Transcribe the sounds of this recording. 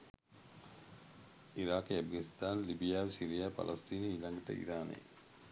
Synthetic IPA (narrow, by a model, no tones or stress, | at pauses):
ʔiɾaːkeɐfɡɐnist̪aːnlibijaːʋesiɾijaːpɐ̰lʔɐst̪iːniilɐŋɡɐʈə̰ḭɾaːnḛː